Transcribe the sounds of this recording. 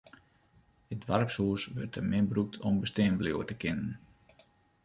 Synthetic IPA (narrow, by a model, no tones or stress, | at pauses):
ədʋarpsuəsʋørtəmɪnbruk̚tʰɔmbəsteːnbljo̰ətəkɪnən